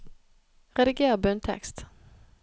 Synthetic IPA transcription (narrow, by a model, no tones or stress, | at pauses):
ʁɛd̪ɪɡeːɾabœnt̪ʰɛ̰kst̪